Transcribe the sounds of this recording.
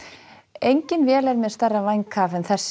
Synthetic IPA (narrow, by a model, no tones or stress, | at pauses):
ejɲcɪnvjɛːlɛɾmɛðst̪arːavajŋkʰaːvɛnθɛsː